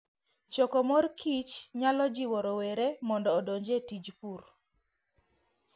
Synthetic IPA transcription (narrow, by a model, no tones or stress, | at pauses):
t͡ʃɔkɔmɔrkʰit͡ʃɲalɔd͡ʒiwɔɾɔweɾemɔndɔːdoɲd͡ʒetid͡ʒpur